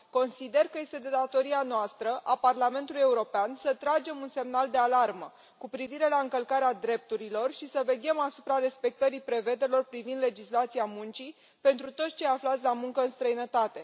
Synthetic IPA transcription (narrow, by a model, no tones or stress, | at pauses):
ko̞nsid̪e̞rkəje̞st̪e̞d̪e̞d̪at̪o̞ɾianoast̪ɾəʔaparlame̞nt̪uluje̞uɾo̞peansət̪ɾad͡ʒe̞munse̞mnald̪e̞alarmə | kupɾiviɾe̞laɨŋkəlkaɾead̪ɾe̞p̚t̪uɾilo̞rʃisəve̞ɡʲemasupɾaɾe̞spe̞k̚t̪əɾipɾe̞ve̞d̪elo̞rpɾivind̪le̞d͡ʒislat̪siamunt͡ʃi | pe̞nt̪ɾut̪ot̪sʲt͡ʃe̞jaflat̪sʲlamuŋkəɨnst̪ɾəinət̪at̪e̞